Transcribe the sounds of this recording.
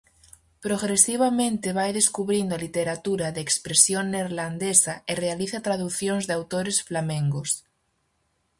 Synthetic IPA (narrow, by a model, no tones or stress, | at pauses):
pɾoɣɾesiβ̞amẽnt̪eβajðeskuβɾind̪oalit̪eɾat̪uɾaðeːkspɾesjonːeɾland̪esaerealiθat̪ɾaðuθjonzðeawt̪oɾesflamẽŋɡos